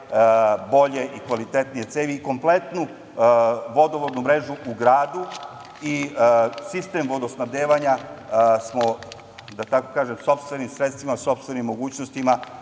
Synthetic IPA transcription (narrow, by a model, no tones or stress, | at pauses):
bo̞ʎe̞ʔikʋalit̪e̞t̪nije̞t̪seːʋiko̞mplet̪nu | ʋo̞d̪oʋod̪numɾe̞ʒuuɡɾaːd̪u | isist̪e̞ːmʋo̞d̪osnaʋd̪eːʋaɲasmo | d̪at̪ako̞̥kaːʒe̞mso̞pst̪ʋe̞nimsɾet̪st̪ʋimaso̞pst̪ʋe̞nimːo̞ɡuːt͡ɕnost̪ima